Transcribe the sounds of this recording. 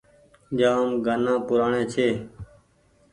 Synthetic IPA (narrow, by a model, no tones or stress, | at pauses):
d͡ʒãːəmɡaːnãːpʊɾaːɳẽːt͡ʃʰeː